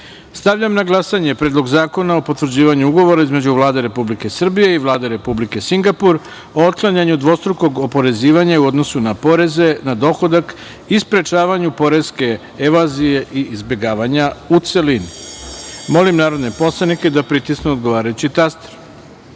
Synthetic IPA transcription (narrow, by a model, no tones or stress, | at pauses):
st̪aʋʎamnaɡlˠasaɲe̞pɾeːd̪lˠo̞ɡzaːko̞naopo̞t̪ʋrd͡ʑiːʋaɲuuɡo̞ʋo̞ɾaizme̞d͡ʑuʋlˠaːd̪eɾe̞publike̞sr̩bije̞iʋlˠaːd̪e̞ɾe̞publike̞siŋɡapuɾ | oot̪̚klˠaɲaɲud̪ʋo̞st̪ɾuko̞ɡopo̞ɾe̞ziːʋaɲaiuo̞d̪no̞sunapo̞ɾe̞ze̞nad̪o̞xo̞d̪ak | ispɾe̞t͡ʃaːʋaɲupo̞ɾe̞ske̞ | eʋazijeʔiːzbʲje̞ɡaːʋaɲaut̪se̞lini | mo̞limnaːɾod̪ne̞po̞slˠaniked̪apɾit̪isnuod̪ɡo̞ʋaːɾajut͡ɕit̪ast̪e̥ɾ